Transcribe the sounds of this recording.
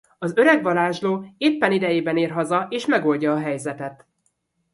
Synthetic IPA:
ɒzøɾɛɡʋɒlaːʒloːeːpːɛnid̪ɛjeːbɛneːrɦɒzɒeːʃmɛɡo̞ːlɟɒːɦɛjzɛt̪ɛt̪

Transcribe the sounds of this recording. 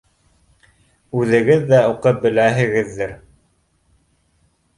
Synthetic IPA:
ʉðɘ̆ɡɘðːæuqɤp̚bɘ̆læɦɘ̆ɡɘ̆ðːɘɾ

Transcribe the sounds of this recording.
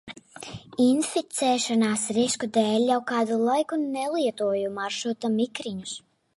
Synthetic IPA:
infit̪sɛːʃanaːsɾiskud̪ɛːlʲːawkaːd̪ulˠajkunɛlˠiɛt̪uɔjumaɾʃut̪amikɾiɲus

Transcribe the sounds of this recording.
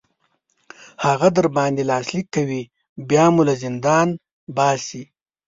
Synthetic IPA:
haɣad̪əɾbɑnd̪elɑːslikːawi | bjɑːmulazɪnd̪ɑn | bɑːsi

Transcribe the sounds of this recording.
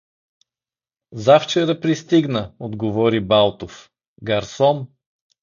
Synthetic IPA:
zaft͡ʃɛɾəpɾist̪iɡnəod̪ɡovɔɾibalˠt̪of | ɡɐɾsɔn

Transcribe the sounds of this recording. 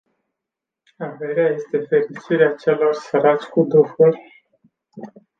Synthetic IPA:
ave̞ɾeaje̞st̪e̞fe̞ɾit͡ʃiɾeat͡ʃe̞lo̞rsəɾat͡ʃʲkud̪ɾufurʲ

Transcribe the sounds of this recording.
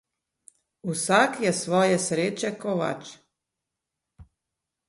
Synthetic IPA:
usakjɛsʋoːjesɾeːt͡ʃekoʋa̰t͡ʃ

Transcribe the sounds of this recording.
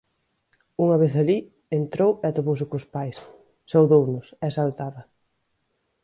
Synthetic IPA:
uŋɐβeθali | ent̪ɾowɛat̪oβows̬ɪkʊspajsː | owðownʊsɛsalt̪aðɐ

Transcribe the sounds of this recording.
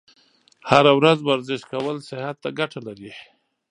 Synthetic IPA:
haɾawɾazwaɾzɪʃkawəlsɪhat̪ːaɡaʈalaɾi

